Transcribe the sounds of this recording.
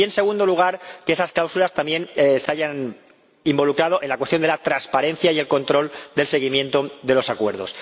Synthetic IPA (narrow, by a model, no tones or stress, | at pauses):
e̞nse̞ɣ̞und̪o̞luɣ̞aɾkeesasklawsulast̪ambje̞nseaʝan | imbo̞lukɾað̞o̞ʔe̞nlakwest̪jod̪e̞lat̪ɾaspaɾe̞nθjaie̞lko̞nt̪ɾo̞ld̪e̞lse̞ɣimjẽ̞nt̪oðe̞lo̞sakwe̞ɾð̞o̞̰s